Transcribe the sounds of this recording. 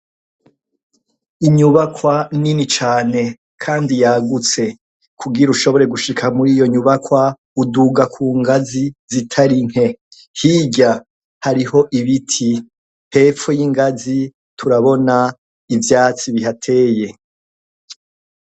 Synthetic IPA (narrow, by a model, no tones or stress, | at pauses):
iɲuβakʰwaninit͡ʃaːne̞ | kʰaːndijaɡut͡se̞ | kʰuɡiɾuʃo̞βo̞ɾe̞ɡuʃikʰamuɾijo̞ɲuβakwa | uduɡakʰuːŋɡazizitʰaɾiŋ̥e̞ | hiːɟa | haɾiɦo̞ʔiβitʰi | he̞ːfojiŋɡazi | tʰuɾaβo̞na | ivjaːt͡siβiɦatʰe̞ːje̞